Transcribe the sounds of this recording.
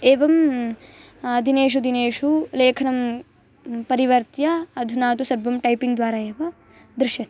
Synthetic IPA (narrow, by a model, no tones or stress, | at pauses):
eːʋɐm | ɐd̪ʱineːʃ̬ud̪ʱineːʂuleːkʰɐnɐm | pɐɾiʋɐɾt̪jɐɐd̪ʱunaːt̪usɐbʋɐmʈɐjpiŋɡd̪ʋaːɾaːjeːʋɐ | d̪ɾɪʃjɐt̪